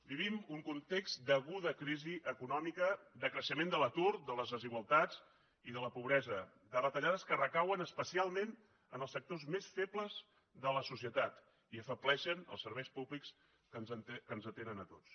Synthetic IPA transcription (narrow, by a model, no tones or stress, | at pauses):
biβimuŋkunt̪ekst̪d̪əɣuðəkɾiziʔəkunɔmikəd̪əkɾəʃəmend̪ələt̪uɾd̪ələzðəziɣwalˠt̪ad͡z | iðələpuβɾɛzə | d̪ərət̪əʎaðəskərəkawənəspəsialˠmen | ənəlˠsək̚t̪ozmesfepləz | ðələsusiət̪at̪ | iəfəplɛʃənə̰lˠsəɾβɛjspuβliks | kənzkənzət̪enənət̪ot͡s